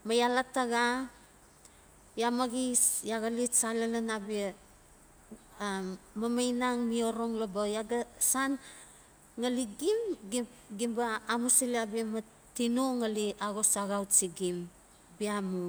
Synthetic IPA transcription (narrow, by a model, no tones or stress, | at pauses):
majalataɡa | jamaɡisjaɡalitsalalanabia | amajnaŋmio̞ɾoŋlobajaɡasan | ŋaliɡimɡiɡimbaːmusiliabiema | tinuŋaliaɡosaɣawtsiɡim | biamu